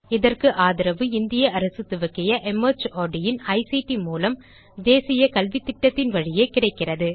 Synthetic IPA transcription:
ɪðɐrkɯʔaːðɪɾɐʋɯɪnd̪ɪjɐɐɾɐsɯt̪ːɯʋɐkːɪjɐʔɛmɐt͡ʃoːɖɪjɪnɐɪsiʈimuːlɐm | d̪eːsɪjɐkɐlʋit̪ːɪʈːɐt̪ːɪnʋɐɻɪjeːkɪrɐɪkːɪrɐðɯ

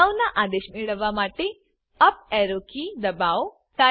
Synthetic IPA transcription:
awnaʔaːd̪eːʃmeɽəʋamaːʈe | ɐp̚ɛːɾokid̪ɐbaːw | t̪aː

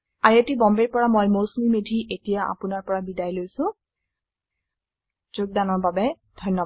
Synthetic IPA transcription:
aɹetibɔmbeɹpɔɹamɔjmowsmimedʱiʔetijaʔa̰pʊnaɹpɔɹabidajlojsʊ̃ | zʊɡ̚danɔɹbabɛ | dʱɔjnːɔ

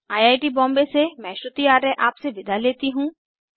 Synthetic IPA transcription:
aːjaːjʈibɔ̃ːmbesemɛ̃ːʃɾʊt̪iaːɾəʔaːpseʋɪd̪ʱaleːt̪iɦũː

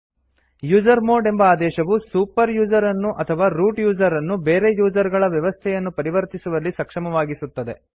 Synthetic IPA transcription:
juːd͡ʒɐɾmo̞ːɾɖe̞mbɐaːd̪ɛːʃɐʋusuːpɐɾjuːd͡ʒɐɾɐnːuʔɐt̪ʰɐʋaːɾuːʈjuːd͡ʒɐɾɐnːubeːɾejuːd͡ʒɐɾɡɐɭɐʋjɐʋɐst̪ʰɛjɐnːupɐɾiʋɐɾt̪isuʋɐlːisɐkʂɐmɐʋaːɡisut̪ːɐd̪e̞

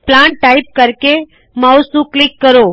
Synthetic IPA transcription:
plaɳʈʈːaip̚kəɾke | mawsũklikːəɾo

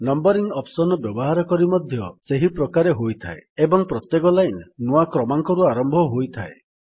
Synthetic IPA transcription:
nɔmbɔɾiŋɔpsɔnɔbjɔbɔɦaɾɔkɔɾimɔd̪ʱjɔseɦipɾɔkaɾeɦojt̪ʰa̰eebɔŋpɾɔt̪jekɔlajnnuakɾɔmaŋkɔɾuaɾɔmbʱɔɦojt̪ʰae

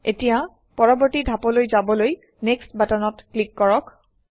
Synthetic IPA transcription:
etija | pɔɹɔbɔɹtidʱapɔlojzabɔloj | nekstbatɔnɔtklikːɔɹɔk

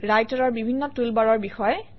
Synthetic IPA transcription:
ɹajtɔɹɔɹbibʱinːɔtulbaɹɔɹbixɔjɛ

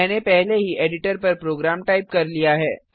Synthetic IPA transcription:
ɛːnepɛɦleɦiʔeːɖɪʈəɾpɐɾpɾoːɡɾaːmʈaːɪp̚kɐɾlijaɦɛː

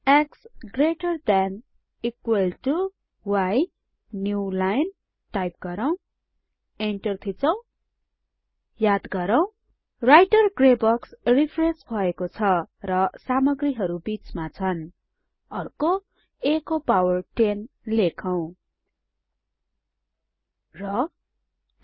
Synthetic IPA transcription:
eksɡreʈʌrd̪an | ikwelʈu | waj | njulajn | ʈajp̚ɡʌɾʌw̃ | eɳʈʌrt̪ʰit͡sʌw̃ | jad̪ɡʌɾʌw̃ | rajʈʌrɡrebʌksripʰrensbʱʌekot͡sʰʌrʌsamʌɡriɦʌɾubit͡smat͡sʰʌn | ʌrko | ekopawʌrʈen | lekʰaw̃ | rʌ

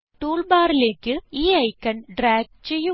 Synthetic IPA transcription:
ʈuːlbaːɾlekɯiːɐɪkːɐnɖɾaːɡ̚t͡ʃɛjːɯ

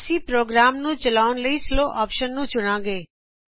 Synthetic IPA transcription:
sipɾoːɡɾaːmnũt͡ʃəlaːʊnləisloːʔɔːpʃənːũːt͡ʃʊɽ̃ãːɡeː

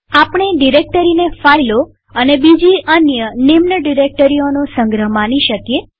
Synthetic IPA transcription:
apɳ̃eɖiɾek̚ʈəɾinefailo | ənebid͡ʒiʔənjənimnəɖiɾek̚ʈəɾionosəŋɡɾəɦmaniʃəkje

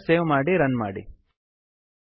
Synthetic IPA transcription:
seːwmaːɽiɾɐnmaːɽḭ

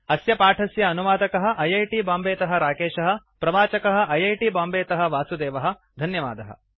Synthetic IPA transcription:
ɐsjɐpaːʈʰɐsjɐːnuʋaːd̪ɐkɐɦɐ̆ʔɐjɐjʈibaːmbeːt̪ɐɦɐɾaːkeːʃɐɦɐ̆ | pɾɐʋaːt͡ʃɐkɐɦɐ̆ʔɐjɐjʈibaːmbeːt̪ɐɦɐ̆ʋaːsud̪eːʋɐɦɐ̆ | d̪ʱɐnjɐʋa̰ːd̪ɐɦɐ̰

